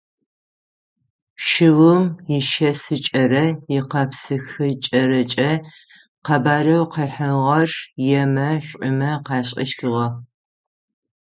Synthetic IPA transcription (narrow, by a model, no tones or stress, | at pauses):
ʃɪwʊmjɪʃɐsɨt͡ʃʼɐɾɐjɪqɐpsɨxɨt͡ʃʼɐɾɐt͡ʃʼɐ | qɐbaːrɐwqɐːħɐʁɐrjɛmɐɕʷʼʊmɐqɑːɕʼɪ̰ʃtʰɨʁɐ